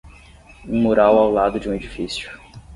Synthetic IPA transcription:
ũmoɾawawlad̪ʊd͡ʒɪũed͡ʒifisjʊ

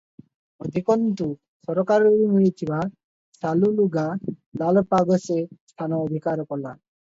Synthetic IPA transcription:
od̪ʱikɔnt̪u | sɔɾɔkaɾɔɾimuɭit̪ʰiba | saluluɡalalpaɡɔsest̪ʰanɔɔd̪ʱikaɾkɔla

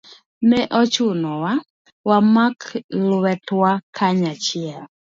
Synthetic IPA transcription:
nɛʔɔt͡ʃʊnɔwa | wamaklwɛtwakʰaɲat͡ʃɪɛl

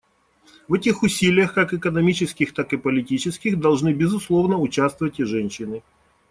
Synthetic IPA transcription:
vɛtʲɪxʊsʲilʲɪjəxkakɪkənɐmʲit͡ɕɪskʲɪxt̪akɨpəlʲɪtʲit͡ɕɪskʲɪxd̪ɐlˠʐnɨbʲɪzʊslˠo̞vnəʊt͡ɕast̪vəvətʲɪʐɛnʲɕːɪnɨ

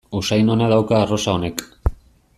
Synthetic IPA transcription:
usajno̞nað̞awkaːro̞sao̞ne̞k

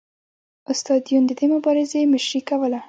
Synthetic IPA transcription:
ʊst̪ɑd̪ijund̪əd̪emʊbɑɾɪzemɪʃɾikawəla

